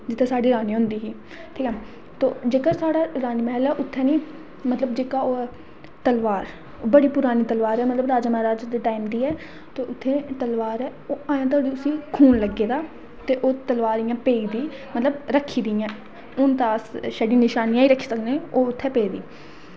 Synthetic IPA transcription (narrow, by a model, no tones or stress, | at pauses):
d͡ʒɪt̪ʰːɛːsaːɖiːɾaːnĩːɦʊnd̪iːɦiː | ʈʰiːkɛ | t̪o̰ːd͡ʒeːkəɾsaːɽaːɾaːniːmɛɛːlɛːʔʊt̪ʰːɛːniː | mət̪ləbd͡ʒeːkaːoː | t̪əlʋaːɾ | oːbəɽiːpʊɾaːniːt̪əlʋaːɾɛːmət̪ləbɾaːd͡ʒaːmaːɾaːd͡ʒd̪eːʈaːiːmd̪iːɛː | t̪eːʔʊt̪ʰːẽːt̪əlʋaːɾɛːoːaːjãːt̪̬aoːd̪iːʊsiːkʰuːnləɡːeːd̪aː | t̪eːʔoːt̪əlʋaːɾijãːpeːiːd̪iː | mət̪ləbɾəkʰːiːd̪iːãː | ʊnt̪aːsʃəɖĩːnɪʃaːnijãːiːɾəkʰːiːsəkd̪eoːʊt̪ʰːɛːpeːd̪ḭː